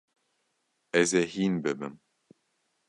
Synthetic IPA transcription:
ɛzehiːnbɨbɨ̰m

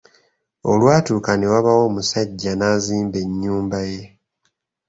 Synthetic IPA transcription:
olwaːtuːkanewaβawo̞ːmusaɟːanaːziːmbe̞ɲːuːmbaje̞

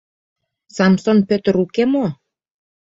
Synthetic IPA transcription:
sɑmsonpøt̪ə̆ɾukemo

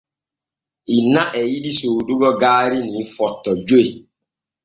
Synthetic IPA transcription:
inaʔɛjidisoːduɡɔɡaːɾinifɔtːɔd͡ʒoi

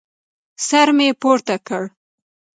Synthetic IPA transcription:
saɾmepoɾt̪akəɽ

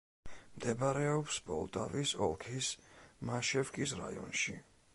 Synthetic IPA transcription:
md̪ɛbaɾɛɔpsbɔ̰lˠt̪ʼavisɔlˠkʰismaʃɛfkʼisɾa̰iɔ̰nʃi

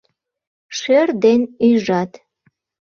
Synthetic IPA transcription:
ʃerd̪enyʒɑt̪

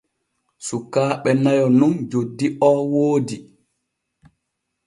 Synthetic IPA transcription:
sukːaːɓɛnajɔnund͡ʒodːiʔɔːwoːdi

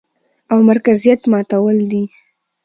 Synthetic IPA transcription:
awmaɾkazijat̪mɑt̪awəld̪i

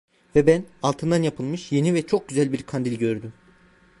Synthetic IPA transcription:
vɛbænalˠt̪ʰɯnd̪anjapʰɯlˠmɯʃje̞nivɛt͡ʃʰo̞k̚ɟyzælʲbiɾkʰand̪ilʲɟø̞ɾd̪ym

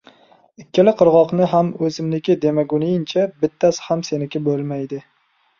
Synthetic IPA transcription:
ɪkʲʰːɪlɪqʰɨɾʁɒqnɪɦamɵzɪmlɪkʲɪd̪e̞maɡʊnɪjɪnt͡ʃʰabɪt̪ʰːasɪ̥hamse̞nɪkʲabolˠmajd̪ɪ

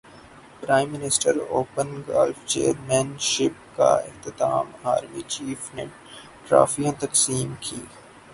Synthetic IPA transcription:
pɾaːɪ̃mːɪnɪsʈəɾoːpənɡa̰ːlft͡ʃḛːɾmɛːnʃɪp̚ka̰ɪht̪ɪt̪aːmaːɾmit͡ʃiːfne | ʈɾa̰ːfijãt̪ɐksiːmkʰiː

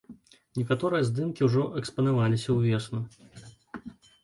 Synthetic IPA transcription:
nʲɛkat̪ɔɾɨjɐzd̪ɨmkʲiwʐɔʔɛkspɐnavalʲisʲɐwvʲɛsnu

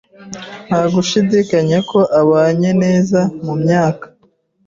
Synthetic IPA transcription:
n̥haɡuʃidikaɲeko̞ʔaβaːɲe̞ne̞ːzamumɲaːkḁ

